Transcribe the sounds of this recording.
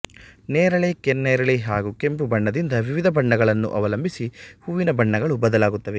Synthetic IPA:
nɛːɾɐɭekenːɛːɾɐɭeɦaːɡukempubɐɳːɐd̪ind̪ɐʋiʋid̪ʱɐbɐɳːɐɡɐɭɐnːṵʔɐ̰ʋɐlɐmbʱisihuːʋinɐbɐɳːɐɡɐɭubɐd̪ɐlaːɡut̪ːɐʋe

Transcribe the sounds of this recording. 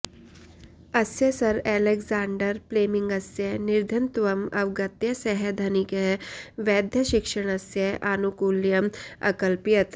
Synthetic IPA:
ɐsjesɐɾeleɡzaːɳɖəɾpleːmiŋɡɐsjeniɾd̪ʱɐnt̪ʋɐmɐ̰ʋɡɐt̪jɐsɛɦed̪ʱɐnikeʋɛːd̪ʱjɐʃikʂɐɽ̃ɐsjeʔanukuːljɐmɐ̰kɐlpijɐt̪

